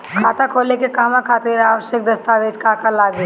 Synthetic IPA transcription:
kʰaːt̪akʰoːlekekaːmãkʰaːt̪ɪɾaːʋəʃjək̚d̪ɐst̪aʋeːd͡ʒkaːkalaːɡe

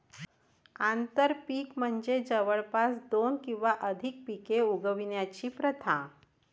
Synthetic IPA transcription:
ant̪əɾpiːkm̤əɳd͡zed͡zəʋəɭpasd̪onkĩw̃ʋaʔəd̪ʱik̚pikeuɡəʋinjat͡ɕiːpɾət̪ʰã

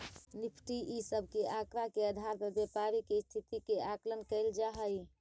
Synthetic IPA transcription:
nipʰʈiʔisəbʱkeʔakɾakeəd̪ʱaɾmebjepaɾikest̪ʰit̪ikeʔaklənkəɪld͡ʒaɦəj

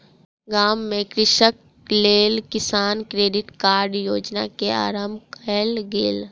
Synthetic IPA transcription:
ɡaːmːẽkɾɪʃək̚ | leːlkɪsaːnkɾeːɖɪʈkaːɾɖjoːd͡ʒna̰kea̰ːɾəmbʱkəlɡeːl

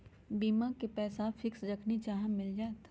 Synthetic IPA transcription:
biːmãkepɛːsafʰɪksɾɐkʰnit͡ʃaːɦə̃mːɪld͡ʒaːt̪

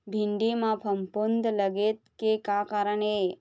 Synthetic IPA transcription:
bʱiɳɖimãpʰəmpond̪ləɡet̪kekakaɾəɳe

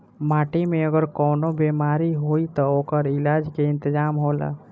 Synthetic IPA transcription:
maʈimeəɡəɾkɔːnobemaɾiɦoit̪ɔokəɾilad͡ʒkeɪnt̪əd͡ʒamɦola̰

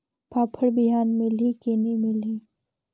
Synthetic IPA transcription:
pʰaːpʰəɽbɪɦaːnmɪlikenimɪli

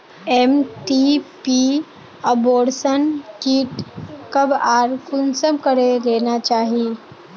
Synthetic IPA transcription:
emʈipi | əboɽsənkiʈkəbaɾkunsəmkəɾelenat͡ɕaɦi

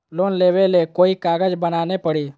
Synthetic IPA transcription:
loːnleːʋelekoːikaːɡəd͡ʒbənaːnepəɽiː

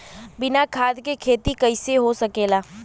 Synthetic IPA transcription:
bɪnakʰaːd̪kekʰeːt̪ikɐɪseɦosɐkeːlaː

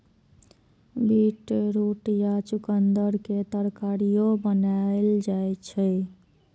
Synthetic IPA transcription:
biʈɾuʈjat͡ʃukənd̪əɾket̪əɾkaɾijobənaeld͡ʒajt͡ʃʰɛ

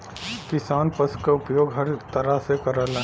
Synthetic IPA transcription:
kɪsaːnpəskaʊpjoːɡɦɐɾt̪əɾasekəɾəlã

